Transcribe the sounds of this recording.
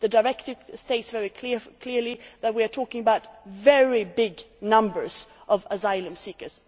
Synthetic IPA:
ðɨdə˞ɛktɪvsteɪtsvɛɹikʰlɪkʰl̥ɪɹliðɨt̚wiə˞tʰɔkɪ̃ŋəbaʊtvɛɹibɪɡnʌ̃mbə˞z̥ʔʌvəzaɪlˠə̃msikə˞z̥

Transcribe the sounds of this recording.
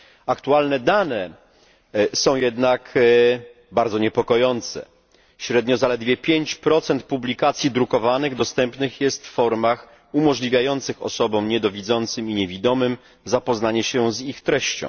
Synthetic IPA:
akt̪ualnɛd̪anɛ | sɔ̃w̃jɛd̪nak | baɾd̪zɔɲɛpɔkɔjɔnt̪sɛ̰ | ɕɾɛd̪ɲɔzalɛd̪vʲjɛpʲjeɲt͡ɕpɾɔt̪sɛnt̪̚publʲikat̪sʲjid̪ɾukɔvanɘɣd̪ɔst̪ɛmpnɘxjɛst̪ffɔɾmax | umɔʐlʲivʲjajɔnt̪sɘxɔ̰sɔbɔ̃w̃ɲɛd̪ɔvʲid̪zɔnt̪sɘmiɲevʲid̪ɔmɘm | zapɔznaɲɛɕɛzixt̪ɾɛɕt͡ɕɔ̰̃w̃

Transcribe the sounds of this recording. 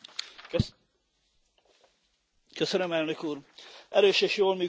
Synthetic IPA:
køsønømɛlnøkuːrʔɛɾøːʃeːʃjoːlmyː

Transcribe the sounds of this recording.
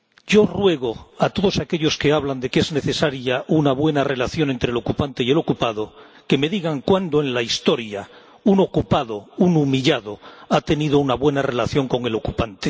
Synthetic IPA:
ɟ͡ʝo̞rwe̞ɣ̞o̞at̪o̞ðo̞sake̞ʎo̞ske̞aβ̞land̪e̞ke̞zne̞θe̞saɾjaunaβwe̞nare̞laθjo̞ne̞nt̪ɾelo̞kupant̪e̞ie̞lo̞kupað̞o̞ | ke̞me̞ðiɣaŋkwand̪oe̞nlaist̪o̞ɾja | uno̞kupaðo̞unumiʎaðo̞at̪e̞nið̞ounaβwe̞nare̞laθjo̞ŋko̞ŋe̞lo̞kupant̪e

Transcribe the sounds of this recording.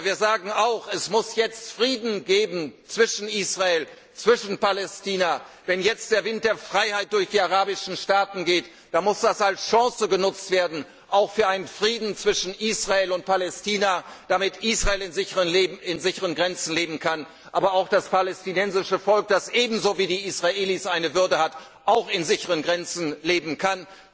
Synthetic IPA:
viːɐzaːɡŋ̩aʊxɛsmʊsjɛt͡stfʁ̥iːdn̩ɡeːbm̩t͡sv̥ɪʃn̩ʔiːsʁaeːl | t͡sv̥ɪʃn̩palɛstiːna | vɛnjɛt͡st̚d̥eːɐvɪnt̚d̥eːɐfʁ̥aɪhaɪt̚d̥ʊɐçd̥iːaʁaːbɪʃn̩ʃtaːtn̩ɡeːt | d̥aːmʊsd̥asalsʃɑ̃ːsəɡənʊt͡stv̥eːɐdn̩ | ʔaʊxfyːɐaɪnənfʁ̥iːdn̩t͡sv̥ɪʃn̩ʔiːsʁ̥aeːlʊnt̚pʰalɛstʰiːnad̥amɪtʔiːsʁaeːlɪnzɪçəʁənlːɪnzɪçəʁənɡʁɛnt͡sn̩leːbm̩kʰan | ʔaːbɐaʊxd̥aspalɛstinɛnzɪʃəfɔlk̚d̥asʔeːbm̩zoːviːdiːisʁaʔeːlisʔaɪnəvʏɐdəhat | ʔaʊxɪnzɪçəʁənɡʁɛnt͡sn̩leːbm̩kʰan

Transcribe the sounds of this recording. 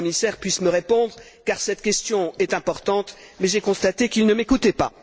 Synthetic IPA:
misɛʁpɥisməʁepɔ̃d̪ʁ | kaʁsɛt̪kʲɛst̪jɔ̃ɛt̪ɛ̃pɔʁt̪ɑ̃t̪mɛʒɛkɔ̃st̪at̪ekilnəmekut̪ɛpa̰

